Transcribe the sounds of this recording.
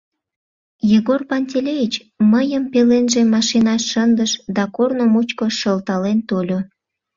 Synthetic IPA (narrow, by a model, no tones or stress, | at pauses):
jeɣorpɑnʲt̪ʲelʲevit͡ɕ | məjəmpelenʒemɑʃinɑʃːənd̪əʃd̪ɑkornomut͡ɕkoʃəlt̪ɑlent̪olʲo